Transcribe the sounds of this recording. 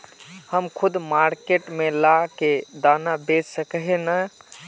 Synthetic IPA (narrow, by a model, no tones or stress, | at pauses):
həmkʰud̪maɾkeʈmelaked̪anabed͡ʒsəkɦenə